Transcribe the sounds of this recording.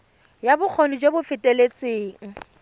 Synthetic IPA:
jabʊk͡xʰonid͡ʒebʊfɪtʼelet͡sʼeːŋ̩

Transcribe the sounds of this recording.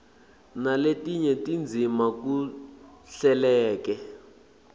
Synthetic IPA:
naletiɲɛtind͡zʱimaku | ɬɛlɛːkɛ

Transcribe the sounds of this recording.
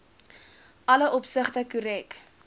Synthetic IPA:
ɐləʔɔpsəχtəkuɾɛk

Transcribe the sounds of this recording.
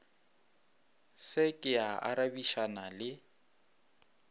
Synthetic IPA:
sɪkʼɪaʔa̰ɾabiʃanalɪ

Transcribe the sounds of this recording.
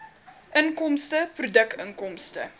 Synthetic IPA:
ʔəŋkɔmstəprudəkəŋkɔmstə̰

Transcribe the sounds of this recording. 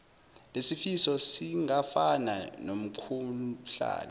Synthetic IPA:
lesifisɔsiŋafana̰nom̩kʰuɬa̰ːna

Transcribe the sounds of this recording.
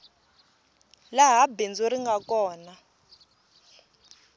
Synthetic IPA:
laɦabend͡zoɾiŋɡakʼɔːna

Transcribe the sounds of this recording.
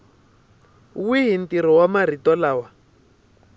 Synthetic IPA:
wiɦintiɾ̤ɔwamar̤itɔlaːwa

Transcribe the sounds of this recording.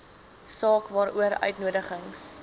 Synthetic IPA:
sɑːkvɑːɾuəɾœ̰ɥtnuədəχəŋs

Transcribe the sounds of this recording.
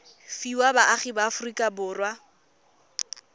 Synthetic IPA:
fiwabaʔaχibaːfʊrikʼabʊːrwa

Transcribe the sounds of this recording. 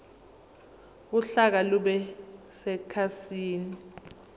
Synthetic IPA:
kuɬak̬aluɓɛ | sɛkʰasiːni

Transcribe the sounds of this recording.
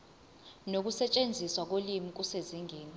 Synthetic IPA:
nok̬usɛt͡ʃʼend͡zʱiswak̬olimik̬useziŋʱeːni

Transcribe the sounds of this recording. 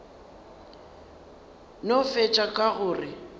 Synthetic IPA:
nofet͡ʃʼakʼaɣʊːrɪ

